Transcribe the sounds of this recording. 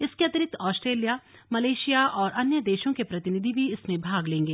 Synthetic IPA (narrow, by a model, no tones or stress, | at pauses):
ɪskeɐt̪ɪɾɪk̚t̪ʰɔːsʈɾeːlija | mɐleːʃijaʔɔːɾʔɐnjəd̪eːʃõkepɾɐt̪ɪnɪd̪ʱibʱiɪsmẽbʱaːɡlẽːŋɡeː